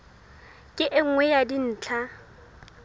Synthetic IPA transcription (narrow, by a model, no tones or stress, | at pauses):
kʼɪʔɪŋ̩ŋwɛjadin̩ːt͡ɬʰa